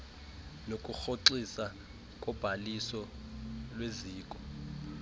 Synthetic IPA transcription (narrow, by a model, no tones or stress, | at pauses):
nokʼuxoǁisa | kʼɔb̥ʱalisɔ | lweziːkʼɔ̥